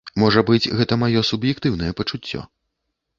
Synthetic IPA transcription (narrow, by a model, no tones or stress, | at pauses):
mɔʐɐbɨt͡sʲɣɛt̪ɐmajɔsubjɛkt̪ɨwn̪ɐjɛpɐt͡ʂut͡sʲːɔ̰